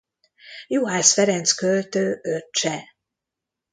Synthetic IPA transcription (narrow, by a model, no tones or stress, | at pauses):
juɦaːsfɛɾɛnt̪skølt̪øːøt͡ʃɛ